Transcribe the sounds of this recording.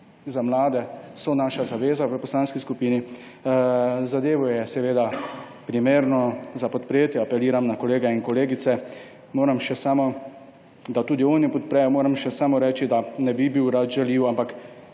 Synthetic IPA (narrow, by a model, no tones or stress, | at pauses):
zamlaːd̪ɛsɔnaːʃazaʋeːzaʋəpɔslaːnskiskupiːni | zad̪eːʋɔjɛsɛʋeːd̪apɾimeːɾnɔzapɔt̪pɾeːt̪jɛapɛliːɾamnakɔleːɡɛinkɔleːɡit̪sɛ | moːɾamʃɛsaːmɔ | d̪at̪uːd̪ioːnjɛpɔt̪̚pɾɛjɔmoːɾamʃɛsaːmɔɾɛːt͡ʃid̪anɛbibiwɾat̪ʒɛliːwampak